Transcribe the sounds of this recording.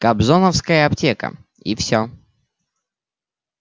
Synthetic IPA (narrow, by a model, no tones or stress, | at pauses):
kɐbzonəfskəjəɐptʲekə̰ | ifsʲo